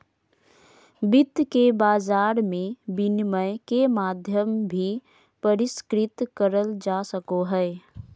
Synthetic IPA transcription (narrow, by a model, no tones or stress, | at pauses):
bɪt̪ːkebaːd͡ʒaːɾmẽbɪnməjkemaːd̪ʱjəmbʱi | pəɾɪskɾɪt̪kəɾəld͡ʒasəkoɦɛɛ